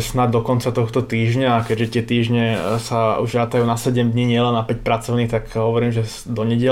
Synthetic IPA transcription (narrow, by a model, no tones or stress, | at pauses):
snad̪̚ːɔkɔnt͡sat̪ɔxt̪ɔt̪iːʒɲaːkɛɟʒɛt̪ɪɛt̪iːʒɲɛsaṵʒɾat̪ajuːnasɛɟɛmd̪ɲiɲɪɛlɛnːapɛc̚pɾat͡sɔʊniːxt̪akɦɔʋɔɾiːmʒɛ | d̪ɔɲɛɟɛ